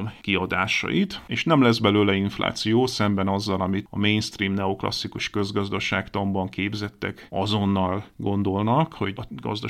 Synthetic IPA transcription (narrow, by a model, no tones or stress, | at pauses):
mkiɒd̪aːʃɒ̰jit̪eːʃnɛmlɛzbɛløːlɛinfla̰ːt̪sijoːsɛmbɛnɒzːɒlɒmit̪ɒ̰meːjnst̪riːmnɛo̞klɒ̰sːikuʃkø̞zɡɒzd̪ɒʃaːkt̪ɒmbɒŋkeːbzɛt̪ːɛ̰kɒzo̞nːɒlɡo̞nd̪o̞lnɒkho̞ɡɒ̰zd̪ɒ